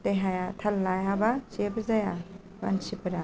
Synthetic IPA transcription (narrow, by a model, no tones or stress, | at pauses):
tejɦajatʰalːajabasebɐzaja | ba̰nsipɐɾa